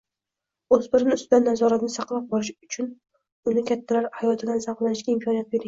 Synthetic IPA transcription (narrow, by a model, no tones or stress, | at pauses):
ɵzbɪɾɪnɪʊst̪ɪd̪anːazɒɾat̪nɪsɑqlˠap̚bɒɾɪʃʊt͡ʃʰʊn | ʊnɪkʲʰat̪ʰːalaɾhajɒt̪ʰɪd̪ansaqlˠanɪʃɡʲaɪmkʰɒnijat̪̚be̞ɾɪ